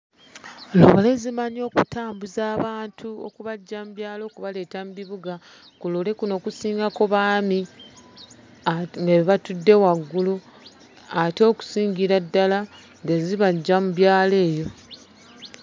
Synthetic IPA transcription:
lo̰βole̞zimaɲo̞ːkutʰaːmbuzaːβaːntʰuo̰kuβaɟːamuβjaːlo̞ːkuβale̞ːtambiβuɡa | kulole̞kuno̞kusiːŋɡako̞βaːmi | ŋɡeβiβatudːe̞waɡːulu | ato̞ːku̥siːŋɡiɾadːala | ŋɡeziβaɟːamuβjaːle̞ːjo̞

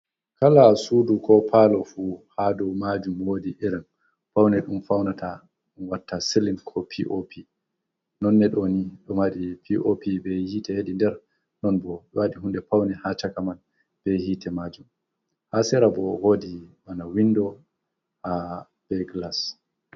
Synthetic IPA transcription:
kalasudukɔpʰalɔfuhadɔmad͡ʒumwoːdiʔɛɾɛn | pawnɛɗumfawnatʰa | ɗunwatːasilinkʰɔpʰiʔopʰi | nɔnːɛɗɔniɗɔmaɗipʰiʔopibɛhiːtɛheɗindɛɾ | nɔnbɔɗwaɗiɦundɛpawnɛhat͡ʃakaman | b̥ɛhiːtʰɛmad͡ʒum | hasɛɾabɔhoːdiɓanawindɔ | ha | b̥ɛɡlas

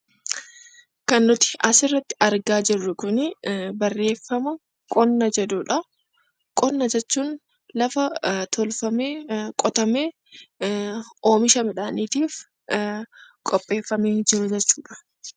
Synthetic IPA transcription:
kɐnːʊt̪ɪ̥ʔɐsɪrːɐt̪ːɪ̥ʔɐɾɡaːd͡ʒɪrːʊkʊnɪbɐrːe̞ːfːɐmɐ | kʼɔnːɐd͡ʒɛd̪uːᶑɐ | kʼɔnːɐd͡ʒɛt͡ʃːuːn | lɐfɐt̪ʰɔlfɐmeːkʼɔt̪ɐmeː | oːmɪʃɐmɪᶑaːniːt̪iːf | kʼɔpʼːe̞ːfːɐmeːnd͡ʒɪɾʊd͡ʒɛt͡ʃːuːᶑɐ̥

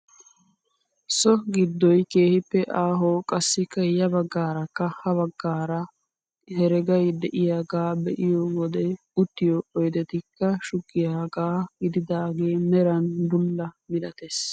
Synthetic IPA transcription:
sɔɡɪd̪ːɔjke̞ːhɪpːɛʔaːɦoːkʼɐsːɪkːɐjɐbɐɡːaːɾɐkːɐhɐbɐɡːaːɾɐ | hɛɾɛɡɐjd̪ɛʔɪjaːɡaːbɛʔɪjɔwɔd̪ɛ | ʊt̪ːɪjɔɔjd̪ɛt̪ɪkːɐʃʊɡːɪjaːɡaːɡɪd̪ɪd̪aːɡe̞ːmɛɾɐnd̪ʊlːɐmɪlɐt̪es

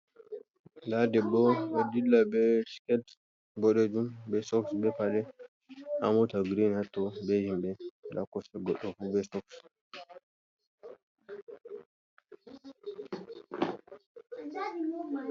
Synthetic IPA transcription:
dadɛbɔadilːabɛ̥kɛt | bɔɗɛd͡ʒumbɛsɔksbɛpalɛ | a̰mɔtaɡɾinhatːɔbɛhimbɛɗa̰kːɔsɛɡɔɗɔfubɛsɔks

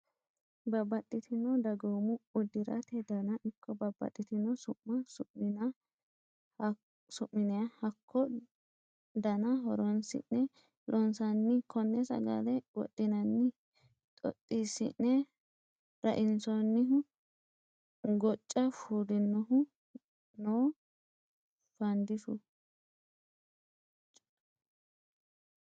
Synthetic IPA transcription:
bɐbːɐt̪ʼːɪt̪ʰɪnːɔd̪ɐɡomʊʊd̪ɪɾɐ̰t̪ɛd̪ɐnɐʔɪkʰːɔbɐbːɐ̰t̪ʼːɪt̪ɪnɔsʊmːɐsʊɪnɐ | sʊʔːɪnɛɐhɐkʰːɔ | d̪ɐnɐɦɔ̰ɾɔnsɪ̰nːɛ | lʔɔnsɐnːɪkʰɔnːɛsɐ̰ɡa̰d̪ɛwɔ̰ɗ̪ːɪnɐnːɪ | t̪ʼɔ̰t̪ʼːisːɪ̰nːɛ | ɾɐʔɪnsɔnːɪɦʊ | ɡɔt͡ʃʼːɐfuːd̪ɪnːɔɦʊ | noː | fɐnd̪ɪsʊ

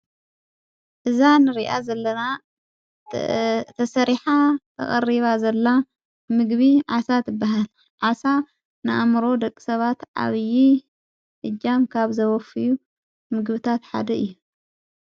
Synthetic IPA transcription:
ʔɨzanɨɾiʔa̰zɐlːɐna | t̪ʰɐsɐɾiħat̪ʰɐ̰χʼɐ̰ɾiβazɐlːa | mɨɡβiʕasat̪ɨbːaɦal | ʕasa | nɨʔamɾo̞d̪ɐkʼːi̥sɐβat̪ʕa̰βji | ʔɨd͡ʒːamkʰaβzɐwɐfɨju | mɨɡβɨt̪ʰat̪ħa̰d̪ɐɨjːu

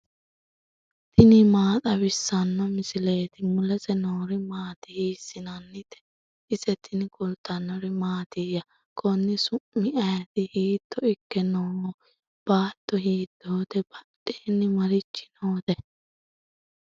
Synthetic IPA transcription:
t̪ɪnɪmaːt̪ʼɐbɪsːɐnːɔmɪsɪle̞ːt̪ɪmʊlɛsɛnoːɾɪmaːt̪ɪhiːsːɪnɐnːɪt̪ɛ̥ | ɪsɛt̪ʰɪnkʊlt̪ːɐnːɔɾɪmaːt̪ɪjɐ | kʰɔnːɪsʊʔmːɪɐjɐt̪ɪhiːt̪ːɔɪkːɛnoː | b̥aːt̪ːɔhiːd̪ːoːd̪ɛb̥ɐᶑeːnːɪmɐɾɪt͡ʃːɪ̥noːt̪ɛ

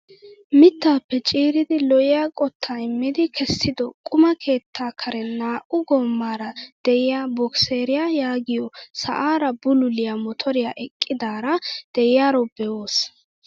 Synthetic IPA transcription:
mɪt̪ːaːpːɛt͡ʃʼiːɾɪd̪ɪlɔʔɪjaːkʼɔt̪ʰːaːɪmːɪd̪ɪkʰɛsːɪd̪ɔkʼʊmɐkʰe̞ːt̪ʰːaːkʰɐɾɛnaːʔʊɡɔmːaːɾɐd̪̥ɛɪjaːbɔkseːɾɪjaːjaːɡɪjɔsɐ̰ʔaːɾɐbʊlʊlɪjamɔt̪ʰɔɾɪjaʔɛkʼːɪd̪aːɾɐd̪̥ɛjɪjaːɾɔbɛoːs

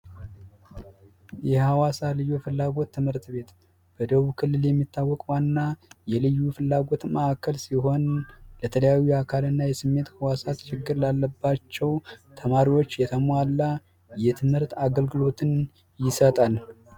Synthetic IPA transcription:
jɛhawasalɨjːofɨlːaɡo̞t̪ːɨmhɨɾt̪be̞t̪ | b̥əd̪əβukʰɨlːɨljɛmːit̪ʰːawːɔkʼwanːajɛlɨjːufɨlːaɡo̞t̪məakʰːəlsiɦo̞nlət̪ʰələjawuakʰalɨnːajɛsɨmːe̞t̪hawasat̪t͡ʃɪɡːɨɾlalːəbːat͡ʃːɛwt̪ʰəmaɾiwo̞t͡ʃːjɛt̪ʰəmalːa | jɛt̪ʰɨmhɨɾt̪aɡəlɡɨlo̞t̪ʰɨn | jɪsət̪ʼal

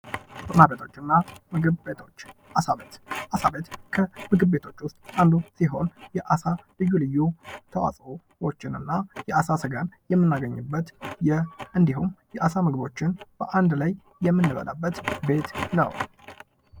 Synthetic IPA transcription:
t̪ʼnabet̪ʰo̞t͡ʃːɨnːamɨɡɨt̪ot͡ʃːasaβet̪ʔasabet̪kʰəmɨɡɨbbe̞t̪ʰo̞t͡ʃːwʊst̪ʼʔand̪usiɦo̞njɛʔasalɨjːulɨjːut̪ʰəwa̰sʼo | wot͡ʃːɪnɨnːajɛasasəɡanjɛmːɨnːaɡəɲːɨbːət̪jɛʔɨnd̪iɦumjɛʔasamɨɡɨbo̞t͡ʃːɪnb̥ə̰ʔand̪laj | jːɛmːɨnːɨβə̰lʔa̰bːət̪be̞t̪nə̰w

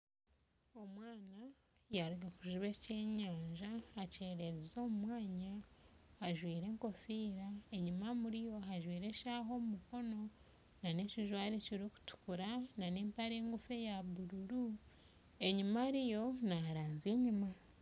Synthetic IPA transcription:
o̞mwaːna | jaɾuɡakuʒuβece̞ːɲaːɲʒaːce̞ːɾe̞ɾezo̞ːmumwaːɲaaʒwiːɾe̞ːŋko̞fiːɾae̞ɲimamuɾijo̞ɦaʒwiːɾe̞ʃaɦo̞mumuko̞no̞ | naneciʒwaːɾeciɾoku̥tu̥kuɾananeːmpaɾeŋɡufe̞jaβuɾuɾu | e̞ɲimaɾijo̞naɾaːnzeɲima

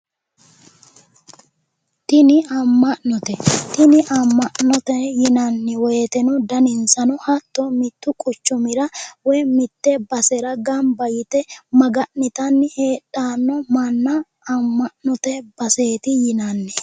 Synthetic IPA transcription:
t̪ɪnɪɐmːɐʔnɔt̪ɛt̪ɪnɪʔɐmːɐʔnɔt̪ɛjɪnɐnːɪwɔjt̪ɛnʊd̪ɐnɪnsɐnʊhɐt̪ːɔmɪt̪ːʊkʼʊt͡ʃːʊmɪɾɐwɔjmɪt̪ːɛbɐsɛɾɐɡɐmbɐjɪt̪ɛmɐɡɐʔnɪt̪ɐnːheːᶑaːnːɔmɐnːɐː | mːɐʔnɔt̪ɛb̥ɐse̞ːt̪ɪjɪnɐnːɛ

